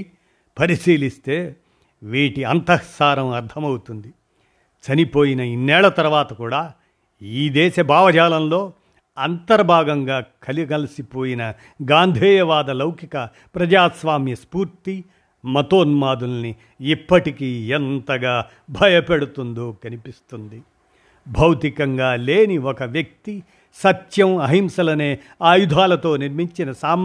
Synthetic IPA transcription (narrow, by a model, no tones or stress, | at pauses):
pɐɾisiːlist̪e̞ː | ʋiːʈiɐnt̪ɐsaːɾɐmɐɾt̪ʰɐmɐwut̪und̪i | t͡ʃɐnipoːjinɐinːɛːɭɐt̪ɐɾʋaːt̪ɐkuːɽaː | iːd̪ɛːʃɐbʱaːʋɐd͡ʒaːlɐnlo̞ː | ɐnt̪ɐɾɐbʱaːɡɐŋɡaːkʰɐliɡɐlɐsipo̞ːjinɐ | ɡaːnd̪ʱɛːjɐʋaːd̪ɐlɐwkʰikɐ | pɾɐd͡ʒaːsʋaːmjɐspuːɾt̪i | mɐt̪oːnmaːd̪ulɐni | ipːɐʈikiɛnt̪ɐɡaː | bʱɐjɐpeɽut̪und̪oːkɐnipist̪und̪i | bʱɐwt̪ikɐŋɡaːleːniɔkɐʋjɐk̚t̪i | sɐt̪jɐmɐɦimsɐlɐneː | aːjud̪ʱaːlɐt̪o̞ːniɾmiɲt͡ʃinɐsaːm